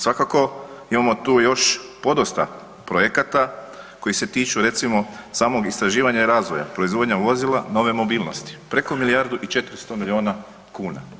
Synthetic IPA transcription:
sʋakako̞imamo̞t̪uːjo̞ʃpo̞d̪ost̪a̰ | pɾojekat̪a | ko̞jise̞t̪iːt͡ʃuɾe̞t̪simo̞saːmo̞ɡist̪ɾaʒiːʋaɲaiɾaːzʋo̞ja̰pɾo̞izʋo̞d̪ɲaʋo̞zilˠano̞ʋe̞mo̞biːlˠno̞st̪i̥pɾe̞ko̞milijaɾd̪uʔit͡ʃe̞t̪ɾist̪omilio̞ːna | kuːna̰

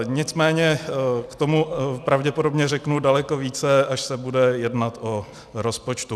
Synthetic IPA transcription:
ɲɪt͡smɛːɲɛkt̪o̞mupɾavɟɛpodobɲɛrɛknudalɛko̞viːt͡sɛaʃsɛbudɛjɛdnat̪ʔo | ɾospot͡ʃt̪u

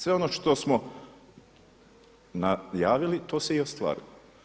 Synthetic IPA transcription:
sʋe̞onoʃt̪o̞smo | najaːʋilit̪o̞ːseio̞st̪ʋa̰ːɾḭlˠo

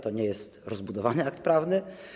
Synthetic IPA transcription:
t̪ɔɲɛjɛst̪ɾɔzbud̪ɔvanɘak̚t̪̚pɾavnɘ

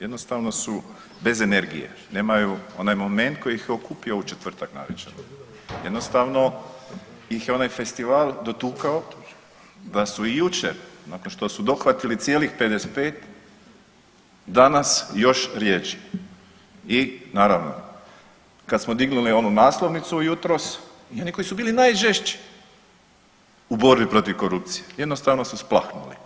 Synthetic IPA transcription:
jed̪no̞st̪aːʋno̞su | be̞ze̞ne̞ɾɡije̞̰ | ne̞ːmajuo̞naːjmome̞nt̪̚ko̞jiixjeokuːpio̞ut͡ʃet̪ʋr̩t̪akna̰ʋet͡ʃeno | jed̪nost̪aʋno̞ | jixjeo̞naːjfe̞st̪iʋaːlˠd̪o̞t̪uːkao | d̪asuijut͡ʃeɾnaːkonʃt̪osud̪o̞xʋat̪ilit̪sjeːlixpe̞d̪ese̥t̪peːt̪ | d̪anasjo̞ʃɾje̞t͡ʃi̥ | inaːɾaʋno̞̰ | kad̪smod̪iɡnulio̞nunaːslo̞ʋnit̪suːjut̪ɾo̞s | io̞niko̞isubiːlinajʒeʃt͡ʃi̥ | ubo̞ɾbipɾo̞t̪iʋko̞ɾup̚t̪sijeje̞d̪no̞st̪aʋno̞susplˠaxnṵlḭ

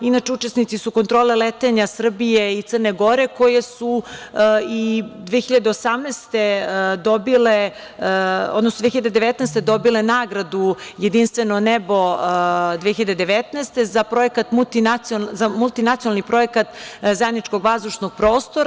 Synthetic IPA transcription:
inat͡ʃeut͡ʃe̞snit̪sisuko̞nt̪ɾoːlelet̪eɲasr̩bijeit̪sərneɡo̞ɾe̞ko̞je̞su | id̪ʋeːçiʎad̪e̞osamnɛːst̪ed̪obile | o̰d̪nosd̪ʋexiʎad̪ed̪eʋet̪nɛst̪e̞d̪o̞bilenaːɡɾad̪ujed̪inst̪ʋenonebo̞d̪ʋeçiʎad̪ed̪eʋet̪nɛːst̪ezapɾoekat̪mut̪inazamulˠt̪inat̪ionalnipɾo̞ekat̪zajed̪nit͡ʃko̞ɡʋazd̪uʃnoɡ̥̚pɾo̞ːst̪oɾ

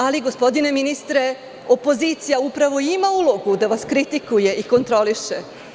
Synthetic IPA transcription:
aliɡo̞spo̞d̪ine̞minist̪ɾe̞ | opo̞ziːt̪sijaupɾaʋo̞imaulˠo̞ɡud̪aʋaskɾit̪ikuje̞ʔiko̞nt̪ɾo̞liʃe

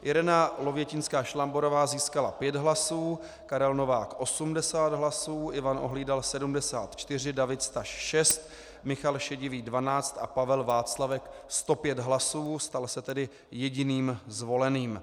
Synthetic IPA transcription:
ʔɪɾɛnalo̞vjɛcɪnskaːʃlambo̞ɾo̞vaːziːskalapjɛd̪ɦlasuː | kaɾɛlno̞vaːkʔo̞sumdɛsaːd̪ɦlasuːʔɪvanʔoɦliːdalsɛdumdɛsa̰ːt̪t͡ʃt̪ɪr̝ɪdavɪt̪st̪aʃʃɛst̪ | mɪxalʃɛɟɪviːdvanaːt͡st̪ʔa̰pavɛlvaːt͡slavɛkst̪o̞pjɛd̪ɦlasuːst̪alsɛt̪ɛdɪ | jɛɟɪniːmzvo̞lɛniːm

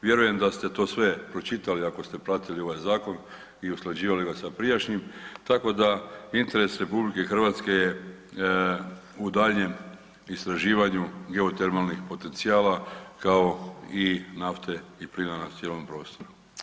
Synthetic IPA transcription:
ʋje̞ɾuje̞md̪ast̪e̞t̪o̞ːsʋe̞pɾo̞t͡ʃit̪aliako̞st̪e̞pɾat̪ilio̞ʋajzaːko̞n | iusklˠad͡ʑiːʋaliɡasapɾijaʃɲimt̪ako̞d̪aint̪e̞ɾe̞sɾe̞publikexrʋat̪ske̞je | ud̪aʎɲe̞m | ist̪ɾaʒiːʋaɲuɡe̞o̞t̪eɾmalˠnixpo̞t̪e̞nt̪siaːlakao̞inaft̪ʰe̞iplinanasjelo̞mpɾo̞ːst̪o̞ɾu

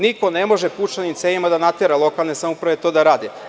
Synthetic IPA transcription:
niko̞ne̞mo̞ʒeput͡ʃanimt̪sejimad̪anat̪eɾalˠo̞kalˠnesamopɾaʋet̪od̪aɾaːd̪i

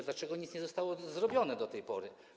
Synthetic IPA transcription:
d̪lat͡ʂɛɡɔɲit̪sɲɛzɔst̪awɔzɾɔbʲjɔnɛd̪ɔt̪ɛjpɔɾɘ

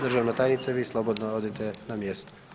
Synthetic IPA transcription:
d̪rʒaʋnat̪ajnit̪saʋiːslˠobod̪naod̪et̪ɛnamjest̪o̥

